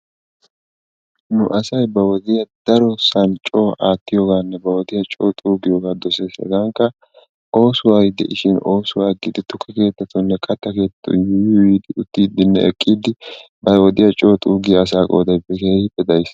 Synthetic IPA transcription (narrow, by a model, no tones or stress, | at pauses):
nʊʔɐsɐjbɐwɔd̪ɪjɐd̪̥ɐɾɔsɐnt͡ʃʼo̞ːʔaːt̪ːɪjoːɡaːnːɛbɐwɔd̪ɪjɐt͡ʃʼoːt̪ʼuːɡɪjoːɡaːd̪ɔseːsɛ̰ɡɐŋkːɐ | ʔo̞ːsʊwaːjd̪ɛ̰ʔɪʃɪno̞ːsʊwaːɡɪd̪ɪt̪ʊkʰːɐke̞ːt̪ːɐt̪ːʊnːɛkʼɐt̪ːɐke̞ːt̪t̪ːʊ̰jʊjwiːd̪ɪʊt̪ːiːd̪ɪnːɛ̰ɛkʼːiːd̪ɪ | bɐwɔd̪ɪjɐt͡ʃʼoːt̪ʼuːɡɪjɐs̬aːkʼo̰ːd̪ɐjbɛkeːhɪbɛd̪ɐjs